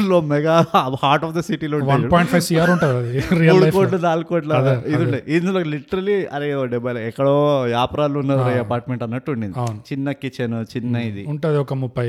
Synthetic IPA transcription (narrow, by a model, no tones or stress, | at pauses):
loːmɛɡaːhaːɾʈɔːfd̪ɐsiʈiloːuɳʋɐnpɔːjɳʈpʰɐjsiaːɾuɳʈaːd̪ɐd̪iɾijɐmuːɽukolɐnaːlukoːʈlɐaid̪iuɳɖed̪iinlokliʈːɐɾɐliɐɾeɖɛbɐlɐɛkːɐɽoːjaːpɾaːluunːɐd̪ɾɐjiɐpaːɾʈmeɳʈɐnːɐʈːuuɳɖindɐwint͡ʃinːɐkːit͡ʃenut͡ʃinːɐid̪iuɳʈaːd̪iɔkɐmubːɐjɐ